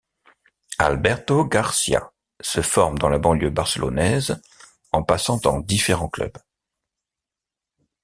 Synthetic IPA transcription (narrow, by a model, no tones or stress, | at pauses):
a̰lbɛʁt̪oɡaʁsja̰ | səfɔʁmd̪ɑ̃labɑ̃ljøbaʁsəlʔɔ̰nɛz | ɑ̃pasɑ̃t̪ɑ̃d̪ifeʁɑ̃klœ̰b